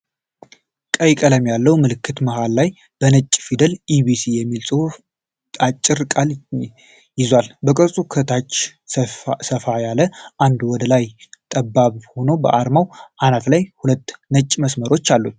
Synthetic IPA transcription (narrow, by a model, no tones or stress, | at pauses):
kʼəjkʼələmjalːəwmɨlɨkːɨt̪məhalːaj | b̥ənət͡ʃʼːfid̪əlibisijɛmːilt͡sʼo | t̪ʼat͡ʃʼːɪɾkʼal | jɪzwalbəkʼɨɾsʼukʰət̪ʰat͡ʃː | səfajaləʔand̪wɔd̪əlajt̪ʼəbːaβho̞nobə̰ʔaɾmawʔanaflajhulət̪ːnət͡ʃʼːməsməɾo̞t͡ʃːalːut̪̚